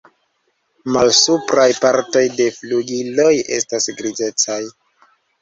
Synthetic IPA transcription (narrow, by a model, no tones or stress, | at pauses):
malsupɾajpaɾto̞jde̞fluɡilo̞je̞̰stasɡɾize̞t͡saj